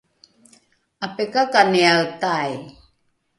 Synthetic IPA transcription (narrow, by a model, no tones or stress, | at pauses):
apekakanialt̪aj